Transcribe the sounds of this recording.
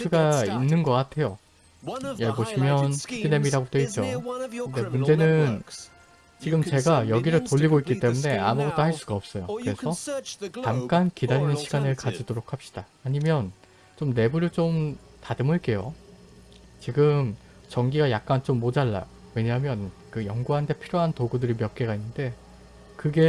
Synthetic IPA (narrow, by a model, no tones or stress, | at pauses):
tʰɯɡainːɯnɡʌk͈atʰe̞jo | jeɭboɕʰimjʌnʰidine̞miɾaɡotweit̚t͡ɕ͈okɯnde̞mund͡ʑe̞nɯn | t͡ɕiɡɯmt͡ɕe̞ɡajʌɡiɾɯɭtoʎːiɡoik͈it͈e̞mune̞a̰muɡʌt͈ohaɭs͈uɡaʌp̚s͈ʌjokɯɾe̞sʰʌkamk͈ankidaɾinɯnɕʰiɡanɯɭkad͡ʑidoɾokʰhap̚ɕ͈i̥d̥aːɲimjʌn | t͡ɕomne̞buɾɯɭt͡ɕom | tadɯmɯɭk͈e̞jo | t͡ɕiɡɯm | t͡ɕʌŋɡiɡajak̚k͈ant͡ɕomːod͡ʑaɭːa̰ | we̞ɲaɦamjʌnkɯjʌŋɡuɦandʰe̞pʰiɾjoɦantoɡudɯɾimjʌk̚k͈e̞ɡainːɯnde̞ | kɯɡe̞